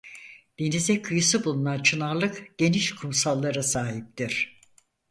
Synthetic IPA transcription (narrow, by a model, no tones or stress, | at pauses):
d̪̥enizɛkʰɯjɯsɯbulˠunant͡ʃʰɯnaɾlˠɯkɟ̥e̞niʃkʰumsalˠːaɾasaːɦip̚t̪iɾ̥